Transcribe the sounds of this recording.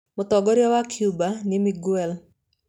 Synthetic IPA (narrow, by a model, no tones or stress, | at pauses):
mʊt̪ɔɡɔɾjɔwakʰjubanɪmiɡwɛl